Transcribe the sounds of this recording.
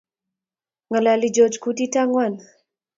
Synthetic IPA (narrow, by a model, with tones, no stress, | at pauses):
ŋa˨la˨li˨d͡ʒɔ˨d͡ʒku˦ti˦ta˦ŋwa˨n